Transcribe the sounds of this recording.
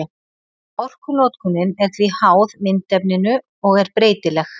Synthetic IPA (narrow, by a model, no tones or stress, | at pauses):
ɔr̥kʏnɔːt̪kʰʏnːɪnɛɾ̥t̪vihaːwðmɪnt̪ɛpnɪnʏ | ɔɣɛɾpɾeːjt̪ɪlɛx